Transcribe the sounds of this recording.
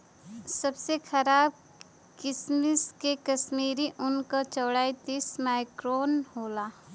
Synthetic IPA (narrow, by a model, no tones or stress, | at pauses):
sɐbsexʰɐɾaːb̚ | kɪsmɪskekɐsmiːɾiʔʊnkat͡ʃɔːɽaːit̪ismaːɪkɾoːnɦoːlaː